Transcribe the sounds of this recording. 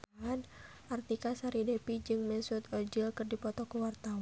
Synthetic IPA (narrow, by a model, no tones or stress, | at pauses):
an | ʔart̪ikasaɾidɛpid͡ʒɨŋmɛnsut̪ɔd͡ʒilkɨrdipɔt̪ɔkəwart̪aw